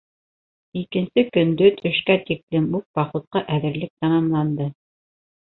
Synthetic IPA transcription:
ikɘ̆nsɘkɵ̆nd̪ɵt̪ʰɵ̆ʃkæt̪iklɘmuq̚bɑχut̪̚qɑʔæðɘ̆ɾlɘk̚t̪ɑmɑmlˠɑnd̪ɤ

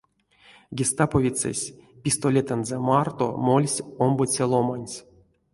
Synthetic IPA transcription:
ɡʲist̪apovʲit̪sɛ̰sʲpʲist̪olʲet̪ənzɛmart̪o̰molʲsʲombot͡sʲelˠomanʲsʲ

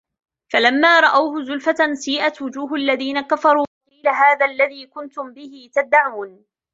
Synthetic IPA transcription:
falamːaːɾˤɑʔawhʊzʊlfat̪asiːʔat̪wʊd͡ʒuːɦʔalːaðiːnakafɑɾˤuːqiːlaɦaːðaːlːaðiːkʊnt̪ʊmbɪhɪt̪ad̪ːaʕuːn

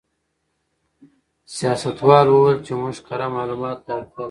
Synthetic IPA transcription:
sijaːsɐt̪wɑːlwowelt͡ʃemʊʃqɐɾamɑːlumɑːt̪ːaka

